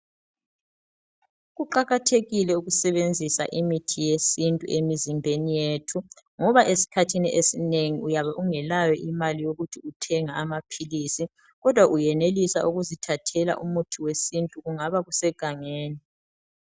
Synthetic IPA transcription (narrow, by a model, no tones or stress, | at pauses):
ɣuǃaɣatʰeɣilɛuɣusɛβend͡zʱisa̰ʔimitʰijesintʼṵemizimbʱenijetʰu | ŋɔβaʔesi̥kʰatʰiniʔesineŋiujaβaʔuŋɛlajɔʔimalijoɣutʰiutʰɛŋaamapʰilisi | ɣɔd̥ʱwaʔujɛnelisa̰uɣuzitʰatʰɛla̰ʔumutʰiwesintʼuɣuŋaβaɣusɛɡ̥ʱaŋeːni